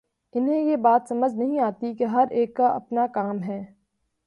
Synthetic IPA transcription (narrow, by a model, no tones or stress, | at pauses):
ɪnɦẽjebaːt̪sɐməd͡ʒnɐɦĩaːt̪ikeɦɐɾʔeːkːaʔɐ̰pnakaːmɦɛː